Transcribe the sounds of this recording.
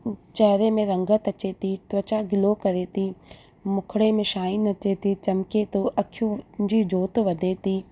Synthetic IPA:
t͡ʃɐɦɾemẽɾɐŋɡət̪ɐt͡ʃeːt̪iʈʋɐt͡ʃaːɡɪlokɐɾeːt̪iː | mʊkʰɽemẽʃaːinɐt͡ʃeːt̪it͡ʃɐmket̪oʔɐkʰjud͡ʑiːd͡ʒoːt̪ʋɐd̪ʱeːt̪iː

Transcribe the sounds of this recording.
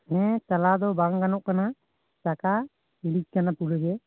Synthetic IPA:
ɦɛ̃t͡ʃalad̪ɔbaŋɡanɔʔkana | t͡ʃaka | ilit͡ʃ̚kanapulɔd͡ʒɛ

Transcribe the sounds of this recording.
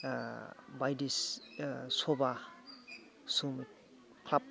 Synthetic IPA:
bajdis | sɔba | sum | kʰlap̚

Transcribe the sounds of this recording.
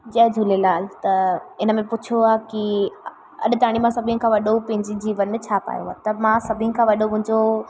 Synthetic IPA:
d͡ʑɐɦd͡ʑʱulelaːlt̪ɐɪnəmẽpʊt͡ɕʰoaːki | ɐ̰ɗt̪aːɽ̃imãsɐbʱĩʊ̃kʰãʋɐɗopɐ̃ɦɪ̃ɲd͡ʑid͡ʑiːʋɐn̆t͡ɕʰaːpa̰ːjo̰ɦa̰ːt̪ɐmãsɐbʱĩkʰãːʋɐɗomʊ̃ɦɪ̃ɲd͡ʑo

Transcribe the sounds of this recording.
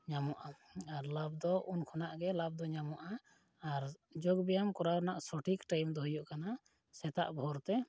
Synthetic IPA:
ɲamɔʔaaɾlab̚d̪ɔʔunkʰɔnaʔɡɛlab̚d̪ɔɲamɔʔaː | ɾd͡ʒɔɡbɛjamkɔɾawnaʔsɔʈikʈajmd̪ɔɦujɔʔkana | sɛt̪a̰ʔbʱɔɾt̪ɛ

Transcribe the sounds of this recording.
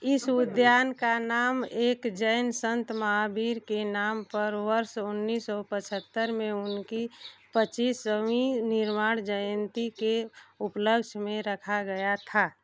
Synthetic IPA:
ɪsʊd̪jaːnkanaːmeːkd͡ʒəjnsə̃nt̪maɦabiːɾkenaːmpəɾʋəɾʃʊnːiːsɔpət͡ʃʰət̪ːəɾmẽʊnkipət͡ʃiːsəminɪɾmaːɽ̃d͡ʒəjənt̪ikeʊpləɡd͡ʒmẽɾəkʰaɡəjat̪ʰa

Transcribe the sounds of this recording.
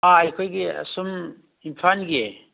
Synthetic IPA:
ajkʰojɡiɐ̰sum | inpʰanɡe

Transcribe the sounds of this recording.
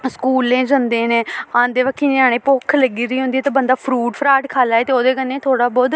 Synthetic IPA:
skuːlẽːd͡ʒənd̪ẽːnẽːãːnd̪eːʋəkʰːiːnẽːãːɽ̃ẽːpoːkʰləɡiːɾiːɦʊ̃nd̪iɛːt̪eːbənd̪aːpʰɾuːʈpʰɾaːʈkʰaːlaːɛeːt̪eːoːd̪eːkənːẽːt̪ʰoːɽaːbɔːd̪

